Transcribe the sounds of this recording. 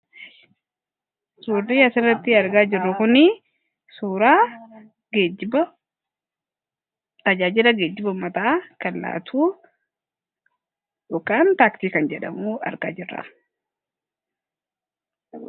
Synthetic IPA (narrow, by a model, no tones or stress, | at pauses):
suːrːiːɐsɪrːɐt̪ːɪɐɾɡaːd͡ʒɪrːʊkʊnɪ | suːɾaː | ɡed͡ʒbɐ | t̪ɐd͡ʒaːd͡ʒɪlɐɡeːd͡ʒːɪbɐmɐt̪aːkɐlːa̰ːt̪ʰuː | jɔkːaːnt̪aːkt̪iːkɐnd͡ʒɛᶑɐ̰muːɐ̰ɾɡaːd͡ʒɪrːa̰